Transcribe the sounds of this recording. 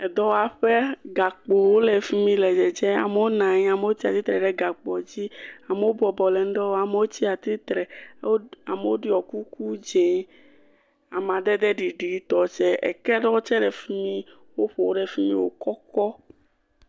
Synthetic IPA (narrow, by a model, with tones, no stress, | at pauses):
ɛ˨d̪ɔ˦wa˨ɸe˦ɡa˨k͡po˨wo˦lɛ˨fi˦mĩ˦lɛ˨d͡ʒɛ˨d͡ʒɛ˦a̰˨me˦wo˦nã˨ɲĩ˦a˨me˨˦wo˦t͡ɕi˦a˨t̪i˦t̪ɾɛ˨ɖɛ˦ɡa˨k͡pɔ˨d͡ʑi˦a˨me˨˦wo˦bɔ˨bɔ˨lɛ˨n̩˦ɖɔ˦wo˦a˨me˦wo˦t͡ɕi˦a˨t̪ɾi˦t̪ɾɛ˨o˦a˨me˨wo˦ɖi˦ɔ˨ku˦ku˦d͡ʒẽ˨ | a˨m˨ã˨d̪ɛ˦d̪ɛ˦ɖi˨ɖu˨i˦t̪ɔ˨t͡ʃɛ˦ɛ̰˨kɛ˦ɖɔ˦o˦t͡ʃɛ˦ɖɛ˨fi˦mĩ˦ | wo˦ɸo˨wo˦ɖɛ˦fi˦mḭ̃˦wo̰˦kɔ˦kɔ˦